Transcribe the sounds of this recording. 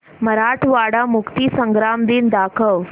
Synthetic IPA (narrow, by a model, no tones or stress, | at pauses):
məɾaʈʰʋaɽamukt̪iːsəŋɡɾamd̪iːnd̪akʰəʋ